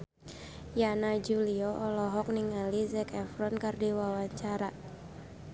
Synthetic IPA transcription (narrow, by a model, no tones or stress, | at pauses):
janad͡ʒuliɔʔɔlɔɦɔk̚niŋalizɛkɛfɾɔnkardiwawaɲt͡ʃaɾa